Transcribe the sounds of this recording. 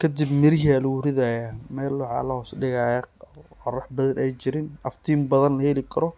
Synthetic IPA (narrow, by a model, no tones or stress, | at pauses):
kʰɐd̪ɪbmɪɾjalwʊɾɪðajamɛːlːʊʕɑ̰lɐhɔːsɖɪɣajɐqɔrɐħbɐðɐnʔɛjt͡ʃɪɾɪnɐft̪ʰiːmbɐðɐnlɐhɛlɪkʰɐɾɔ